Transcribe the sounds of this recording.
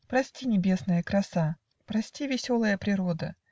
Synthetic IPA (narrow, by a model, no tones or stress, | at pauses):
pɾɐsʲtʲinʲɪbʲe̞snəjəkɾɐsa | pɾɐsʲtʲivʲɪsʲo̞lˠəjəpɾʲɪɾo̞d̪ə̰